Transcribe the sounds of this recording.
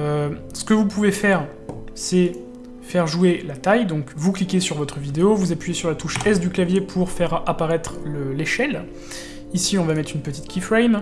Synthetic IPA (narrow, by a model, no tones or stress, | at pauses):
ø | sə̥kəvupuvefɛːʁ | sɛ | fɛʁʒuelat̪ajd̪ɔ̃kvuklikʲesyʁvɔt̪χəvid̪eovuzapɥijesyʁlat̪uʃɛs̬d̪yklavjepʰuʁfɛʁapaʁɛt̪χləleʃɛl | isilɔ̃vamɛt̪χynpət̪it̪kʲifʁɛjm